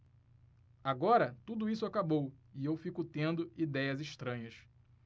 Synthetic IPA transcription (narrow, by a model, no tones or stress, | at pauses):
aɡɔɾɐt̪ud̪ʊisʊakabowiewfikʊt̪ẽnd̪ʊid̪ɛjɐziʃt̪ɾɐ̃ɲɐs